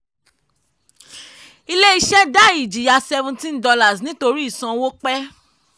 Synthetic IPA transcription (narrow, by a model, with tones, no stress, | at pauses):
i˧le˦i˧ʃɛ˦da˦˨i˨d͡ʒi˨ja˨sɛ˧vũ˧tĩ˦ndɔ˧la˦˨snĩ˨˦to˧ɾi˦i˦˨sã˧wo˦k͡pɛ˦